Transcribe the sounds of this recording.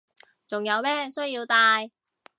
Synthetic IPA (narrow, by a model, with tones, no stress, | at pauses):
t͡sʊ˨ŋjɐ˨˧wmɛː˥sɵ˥ɥjiː˧wt̪aː˧j